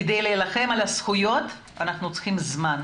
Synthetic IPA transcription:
d̪ejleːlaχe̞malasχujo̞t | anaχnut͡sχimzman

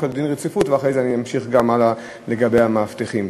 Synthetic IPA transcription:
kold̪inʁet͡sifutveaχʁejzeaniamʃiχɡamala | le̞ɡabejhamaːfteχim

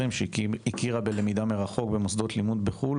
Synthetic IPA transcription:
imʃikiʁabe̞le̞mid̪ame̞ʁaχo̞kbe̞mosd̪ot̪limud̪beχul

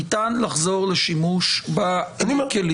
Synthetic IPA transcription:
itanlaχzo̞ʁleʃimuʃbanikeli

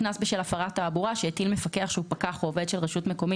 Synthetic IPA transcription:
nasbeʃelafaʁatːaːbuʁaʃeet̪ilmefakeaχʃeupakaχuoved̪ʃelʁeʃutmeko̞mi

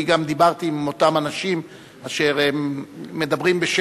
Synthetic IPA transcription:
iɡamd̪ibaʁt̪imo̞t̪amanaʃim | aʃeʁemme̞d̪abʁimbeʃ

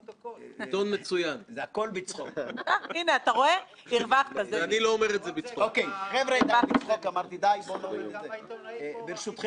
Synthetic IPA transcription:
t̪onmet͡sujanzeako̞lbit͡sχokaineat̪aʁo̞e | iʁvaχt̪azeeaniloːme̞ʁetzebit͡sookejχevɾaid̪aabit͡sχokamaʁt̪id̪ajbolome | biɾʃut̪χ

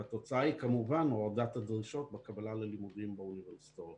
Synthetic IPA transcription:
at̪o̞t͡saaikamuvanoad̪at̪ad̪ʁiʃo̞t̪̚bekabalalelimud̪imbeuniveʁsi̥t̪o

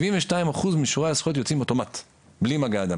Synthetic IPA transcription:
vinveʃtaimaχuzmiʃuʁaasu̥χot̪̬jot͡simoto̞mat̪ | blimaɡaːd̪a

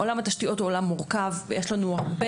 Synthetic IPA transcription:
ʔolamat̪aʃtiʔo̞toːlamːuʁkavvejeʃlanuaʁbe

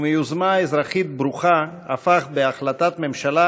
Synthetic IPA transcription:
mejuzmaezɾaχit̪̚bɾuχaa̰faχbeaχlat̪at̪memʃala

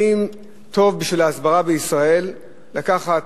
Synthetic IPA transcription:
im | t̪o̞vbiʃvilaːzbaʁabeisʁae̞lː | akaχat

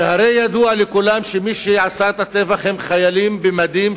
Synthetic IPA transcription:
haɾejad̪ualekulamʃemiʃeʕasaet̪at̪evaχhemχajalimbemad̪im

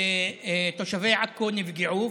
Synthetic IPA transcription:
t̪oʃaveːʕakːonɪfɡɪʕuː

